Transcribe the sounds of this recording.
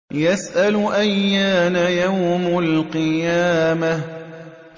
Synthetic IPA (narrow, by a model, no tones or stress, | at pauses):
jasʔalʔajːaːnajawmalqɨjaːma